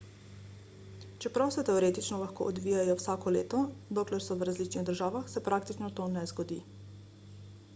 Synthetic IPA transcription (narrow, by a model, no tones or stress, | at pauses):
t͡ʃɛpɾawsɛt̪ɛɔɾeːt̪it͡ʃnɔlaxko̰ːʔɔd̪ʋiːjajɔwsaːkɔlḛːt̪ɔd̪oːklɛɾsɔʋɾazlit͡ʃniɣd̪əɾʒaːʋaxsɛpɾaːkt̪it͡ʃnɔt̪oːnɛzɡɔd̪ḭ